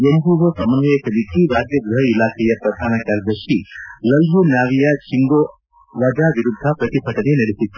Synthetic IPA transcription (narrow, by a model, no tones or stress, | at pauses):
emb̪uʋosɐmɐnɐʋeːkʰɐlikʰiɾaːd͡ʒjɐɡɾuɦɐilaːkʰɛjɐpɾɐd̪ʱaːnɐkaːɾd̪ɐʃilɐlbunjaːʋijɐt͡ʃiŋɡoː | ʋɐd͡ʒaːʋiɾud̪ʱːɐpɾɐt̪ipʰɐʈɐnenɐɽesit̪ːu̥